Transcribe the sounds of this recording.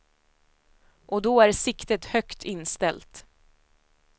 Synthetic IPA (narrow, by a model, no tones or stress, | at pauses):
ʔɔd̪ɔæɾsɪkt̪ət̪hœkt̪ʰɪnst̪ɛlt̪